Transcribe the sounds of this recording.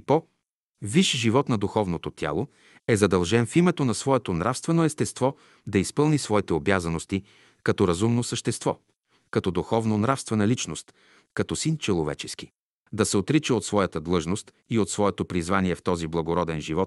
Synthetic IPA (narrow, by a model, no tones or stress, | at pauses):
pɔ | viʃʒivɔt̪nɐd̪uxɔvnot̪ot̪ʲja̰lˠo | ɛzɐd̪ɐlˠʒɛnfimɛt̪onɐsvɔɛt̪onɾafst̪vɛnoɛst̪ɛst̪vɔ | d̪ɐispɤlˠnisvɔit̪ɛobjazɐnost̪i | kɐt̪ɔɾɐzumnosəʃt̪ɛst̪vɔ | kɐt̪ɔd̪uxɔvnonɾafst̪vɛnɐlit͡ʃnost̪ | kɐt̪ɔsint͡ʃɛlˠovɛ̰t͡ʃɛski̥ | d̪ɐsɛot̪ɾit͡ʃɛot̪svɔjɐt̪əd̪lˠɤʒnost̪ | iot̪svɔɛt̪opɾizvaniɛft̪ɔziblˠɐɡoɾɔd̪ɛnʒivɔt̪̚